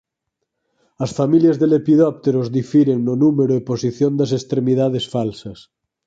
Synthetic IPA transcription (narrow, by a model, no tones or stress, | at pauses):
ɐsfamiljazðelepiðɔp̚t̪eɾozðifiɾeŋnonumeɾoeposiθjond̪asest̪ɾemiðað̞esfalsɐs